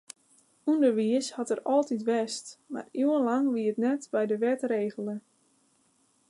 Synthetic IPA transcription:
undərʋiəshɔtərɔlˠtitʋɛstma̰riənlɑŋʋiətnɛtbɛjdəʋɛtreːɣəlˠə

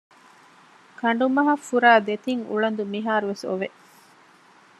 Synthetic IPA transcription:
kʰɐɳ̆ɖumɐɦɐfːuɾaːd̪et̪iŋṵɭɐnd̪umiɦaːɾuʋeso̰ʋeʔ

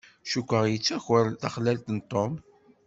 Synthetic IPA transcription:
ʃukʷːəʁjət͡sːæçəɾt̪ɑχlælt̪nt̪ˤːom

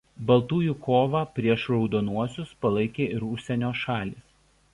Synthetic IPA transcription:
bɐlˠt̪uːjukʰoːʋɑːpʲɾʲiɛʃɾɒʊd̪oːnuɔsʲʊspɐlˠɐɪkʲeːɪɾʊʃʲsʲɛnʲoːʃɑːlʲiːs

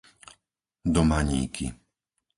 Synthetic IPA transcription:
d̪ɔmaɲḭːkʰḭ

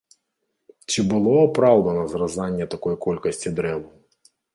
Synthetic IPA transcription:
t͡ɕibɨlˠɔɐpɾɑwd̪ɐnɐzrɐzanʲːɐt̪ɐkɔjkɔlʲkɐsʲt͡sʲid̪ɾɛvʊ

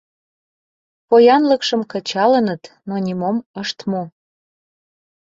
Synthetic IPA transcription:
pojɑnləkʃəmkət͡ɕɑlənət̪nonʲimoməʃt̪mo

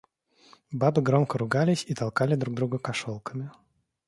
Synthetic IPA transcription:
babɨɡɾomkəɾʊɡalʲɪsʲit̪ɐlˠkalʲɪd̪ɾuɡ̚d̪ɾuɡəkɐʂolˠkəmʲɪ

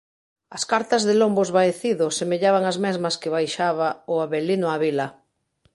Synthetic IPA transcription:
ɐskaɾt̪azðelombozβaeθiðʊsemeʎaβaŋazmɛzmɐskɪβajʃaβaʊaβelinʊaβila

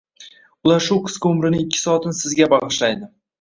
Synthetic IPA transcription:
ʊlaɾʃʊqʰɨ̥skʲʊmɾɪnɪɪkʲʰːɪ̥sɒːt̪ʰɪnɪsɪzɡʲabɑʁɨʃlajd̪ɪ

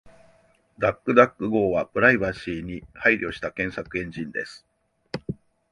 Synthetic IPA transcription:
d̪akːɯ̟d̪akːɯ̟ɡo̞ːβapɯ̟ɾaibaɕiːɲ̟ihaiɾʲo̞ːɕi̥t̪akẽ̞ɰ̃sakɯ̟ẽ̞ɲ̟d͡ʑĩnd̪e̞sɨ̥

